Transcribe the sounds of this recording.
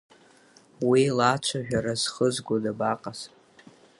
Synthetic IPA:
wilat͡ʃʷʰaʒᶣaɾaz̥χəzɡʷodabaqʼas

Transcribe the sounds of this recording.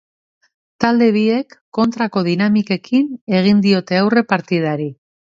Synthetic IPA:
t̪ald̪e̞β̞ie̞kːo̞nt̪ɾako̞ð̞inamike̞kʰine̞ɣ̞ind̪io̞t̪e̞awre̞paɾt̪ið̞aɾi

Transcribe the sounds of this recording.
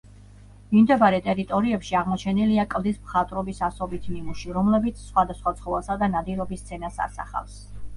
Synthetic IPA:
mimd̪ɛbaɾɛt̪ʼɛɾit̪ʼɔɾiɛpʃiaʁmɔt͡ʃʰɛniliakʼlˠd̪ismχat̪ʼɾɔbisasɔbit̪ʰnimuʃiɾɔmlɛbit̪sʰsχwad̪asχwat̪sʰχɔvɛsad̪anad̪iɾɔbist̪sʰɛnasa̰ɾsa̰χa̰ls

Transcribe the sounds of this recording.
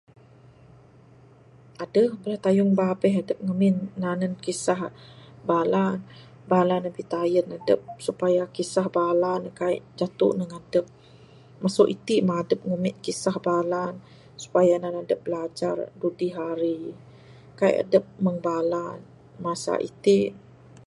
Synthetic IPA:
ʔadəhbəɾaht̪ajʊŋbabɛhadəp̚ŋəmɪnːanənkisahbalan | balanəbiht̪ajənadəp̚supajakisahbalankaiʔd͡ʒat̪ṵʔnəŋadəp̚ | masoʔit̪iʔmadəp̚ŋəmɪʔ̪̚kisahbalan | su̥pajananadəp̚blad͡ʒardudiɦaɾi | kaḭʔa̰dəp̚məŋbalan | masa̰ʔḭt̪iʔ

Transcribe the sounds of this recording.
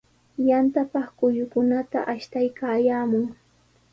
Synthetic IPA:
jant̪apɑχkʊjʊkʊnat̪a̰ʔaʃt̪ajkaːjaːmʊŋ

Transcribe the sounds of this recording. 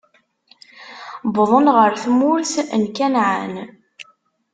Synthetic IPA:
bəðˤənʁəɾθmʊɾθənkænʕan

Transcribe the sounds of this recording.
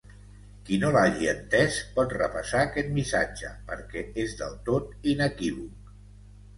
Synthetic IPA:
kinolaʒiənt̪ɛspɔt̪rəpəsaːkɛt̪̚misad͡ʒəpəɾkɛezðəlˠt̪ot̪inəkiβuk̚

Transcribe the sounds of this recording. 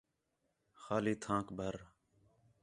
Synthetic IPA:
xaːliːt̪ʰãːkbʱəɾ

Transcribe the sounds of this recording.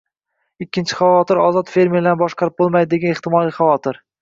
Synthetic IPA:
ɪkʲːɪnt͡ʃʰɪ̥χavɒt̪ɪɾɒzɒt̪fe̞ɾmeɾɪd̪anbɒʃqɑɾɪp̚bolˠmajd̪ɪd̪e̞ɡʲanɪχt̪ɪmɒlˠiχavɒt̪ʰɪɾ

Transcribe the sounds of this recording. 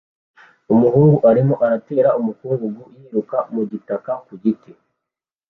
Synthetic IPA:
umuhuːŋɡuʔaɾimo̞ʔaɾate̞ːɾaumukuɡuɡujiːɾukamuɟitakakuɟike

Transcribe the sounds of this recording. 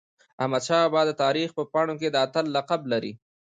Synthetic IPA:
amad̪ʃɑbɑd̪ət̪ɑːɾixpəpɑɽ̃oked̪əat̪əlːaqablaɾḭ

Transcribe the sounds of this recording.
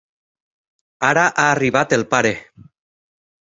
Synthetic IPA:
aɾaʔaːriβat̪elpaɾe

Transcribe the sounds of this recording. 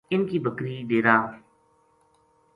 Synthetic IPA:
ɪnkiːbəkɾiːɗeːɾaː

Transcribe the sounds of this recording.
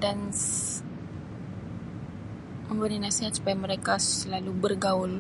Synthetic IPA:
dan | məmbəɾinasiɦat̪su̥pajaməɾekasəlalubərɡaʊl

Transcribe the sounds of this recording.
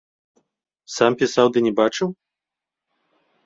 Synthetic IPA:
sampʲisawd̪ɨnʲɛbat͡ʂɨw

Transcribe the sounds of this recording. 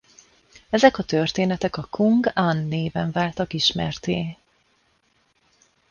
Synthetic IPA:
ɛzɛkɒt̪ørt̪eːnɛt̪ɛkɒkʰuŋɡanːeːvɛɱvaːlt̪ɒkiʃmɛ̰rt̪eː

